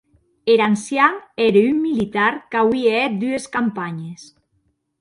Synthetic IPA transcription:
eɾansjaŋeɾeymːilit̪aɾkawieɛt̪̚d̪yeskampaɲes

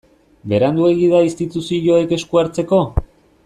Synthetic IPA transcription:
be̞ɾand̪ue̞ɣið̞aist̪it̪usiʝo̞eke̞skuaɾt͡se̞ko̞

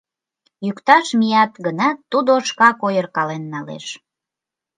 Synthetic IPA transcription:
jykt̪ɑʃmijɑt̪ɡənɑt̪ːud̪oʃkɑkojərkɑlenːɑlḛʃ

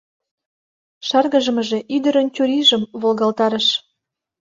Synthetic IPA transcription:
ʃɑrɣəʒə̆məʒeʔyd̪əɾəntʲuɾiʒəmβolɣɑlt̪ɑɾəʃ

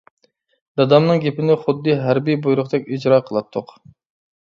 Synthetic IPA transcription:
d̪̥ɑd̪ɑmnɨŋɡʲepɪnɪχʊd̪ːɨɦæɾbijbujɾʊχd̪ɛkʲid͡ʒɾɑːqʰəlˠɑt̪ʰːʊq

